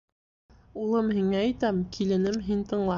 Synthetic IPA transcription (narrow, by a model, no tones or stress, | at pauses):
ulˠɤmɦiŋæːjt̪æmkʰilɘ̆nɘmɦint̪ɤ̆ɴlˠɑ